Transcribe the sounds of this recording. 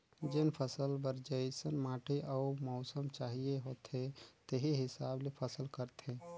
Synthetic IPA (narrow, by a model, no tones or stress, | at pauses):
d͡ʒɪnpʰəsəlbəɾd͡ʒəjsənmaːʈʰeʔaʊɾmɔʊsəmt͡ʃaːɦijeɦoːt̪ɦẽt̪eɦiɦɪsaːblepʰəsəlkəɾt̪ɦẽː